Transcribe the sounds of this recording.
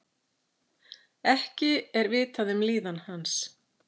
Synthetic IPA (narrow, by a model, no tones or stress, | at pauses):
ɛhcɪɛɾvɪːt̪aðʏmliːðanhans